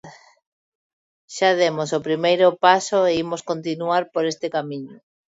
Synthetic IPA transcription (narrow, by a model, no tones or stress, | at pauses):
ʃað̞emosopɾimejɾopasoeimoskont̪inuaɾpoɾest̪ekamĩɲo